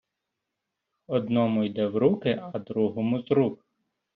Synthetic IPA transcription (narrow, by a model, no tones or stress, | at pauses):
ɔd̪nɔmʊjd̪ɛwɾukɪɐd̪ɾuɦɔmʊzɾuk